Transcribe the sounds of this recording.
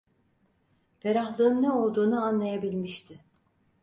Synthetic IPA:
beɾaxlˠɯːɯnːɛo̞lˠd̪uːnuanlˠajabilʲmiʃt̪ʰɪ

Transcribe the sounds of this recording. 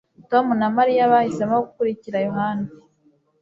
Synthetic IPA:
to̞munamaɾijaβajisamaoɡukuɾiciɾajohana

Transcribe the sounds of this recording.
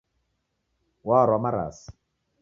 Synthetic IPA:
waɾwamaɾa̰ːsi̥

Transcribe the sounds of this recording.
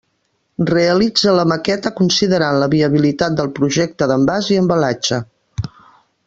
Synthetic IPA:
reəlid͡zələməkɛt̪əkunsiðəɾanləβiəβ̞ilit̪at̪̚d̪əlˠpɾuʒɛk̚t̪əðəmbaziəmbəlad͡ʒə

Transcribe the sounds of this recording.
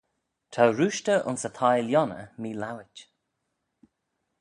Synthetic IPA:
tʰawɾuːʃtəʔʊ̰nsət̪ʰajljɔnə̰miːlawɪt͡ʃ

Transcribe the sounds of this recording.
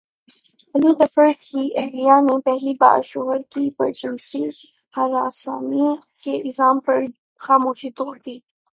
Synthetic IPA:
ɐlud̪ɐfəɾkiʔɐɦlijanepɛɦliba̰ːɾʃoːɦəɾkipɐ̰ɾt͡ʃənsi | hɐɾaːsaːmi | keɪzaːmpɐɾ | xaːmoːʃit̪oːɾd̪iː

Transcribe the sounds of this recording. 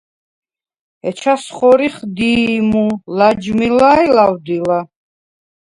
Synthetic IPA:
ɛt͡ʃʰasχɔɾiχd̪imulad͡ʒmilajlawd̪ila

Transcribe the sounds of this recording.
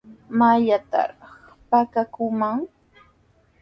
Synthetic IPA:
maʎat̪a̰ɾɑχ | pakakʊmaŋ

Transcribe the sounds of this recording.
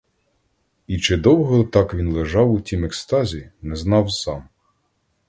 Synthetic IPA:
it͡ʃɪd̪ɔwɦɔt̪ɑkʋʲinlˠeʒɑwʊtʲimɛkst̪ɑzʲinɛznɑwsɑm

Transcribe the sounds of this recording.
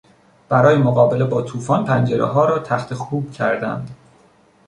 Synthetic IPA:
b̥æɾɒːjemoɣɒːbe̞le̞bɒːt̪ʰuːfɒːnpʰænd͡ʒeɾḛɦɒːɾɒːt̪ʰæxt̪ʰe̞xuːb̥cʲʰæɾd̪æ̰nd̪̥

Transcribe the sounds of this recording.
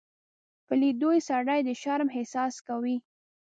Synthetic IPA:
pəlid̪ojsaɽajd̪əʃaɾmɦɪsɑskawi

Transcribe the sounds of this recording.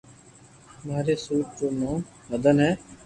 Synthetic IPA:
maːɾeːsuːʈt͡ʃoːnõː | məd̪ənɦɛː

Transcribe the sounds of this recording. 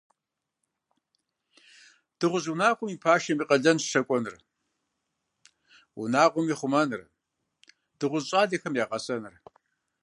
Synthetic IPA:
d̥ɨʁʷʊzunaːχʷʼʊmiːpʰaːʃɐmiːqʼɐɮɐnʃɐkʷʼɔnɨr | wʊ̰naːqʷʊmiːχʷʊmɐnɨr | d̥ɨʁʷʊzɕʼaːdɐxɐmjaːqʼɐsʼɐnɨr

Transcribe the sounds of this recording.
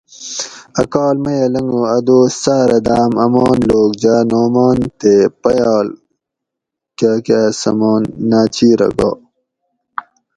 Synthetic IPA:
ɐkaːlmɐjɐlɐŋɡoɐd̪oːsaːɾɐd̪aːmɐmoːnloːɡ̚d͡ʑaːnoːmaːnt̪epɐjaːl | kaːkaːsɐ̰moːnːaːt͡ɕiːɾɐ̰ɡo̰ː

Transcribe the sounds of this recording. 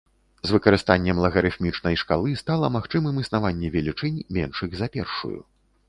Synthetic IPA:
zvɨkɐɾɨst̪anʲːɛmlˠɐɣɐɾɨxmʲit͡ʂnɐjʂkalˠɨst̪alˠɐmaxt͡ʂɨmɨmɨsnavanʲːɛvʲɛlʲit͡ʂɨnʲmʲɛnʂɨɣzɐpʲɛ̰rʂṵjṵ

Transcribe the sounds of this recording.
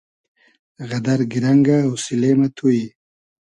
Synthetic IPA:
ɣad̪aɾɡiɾaŋɡaːwsilemat̪ʰuji

